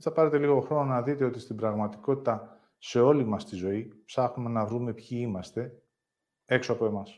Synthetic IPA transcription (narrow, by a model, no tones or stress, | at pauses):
θɐpɐɾe̞t̪e̞liɣo̞xɾo̞no̞nɐðit̪e̞o̞t̪ist̪ibɾɐɣmɐt̪i̥ko̞t̪it̪ɐ | se̞o̞limɐst̪izo̞ipsɐxnume̞nɐvɾume̞pçiimɐst̪e̞ | e̞kso̞ɐpo̞e̞mɐs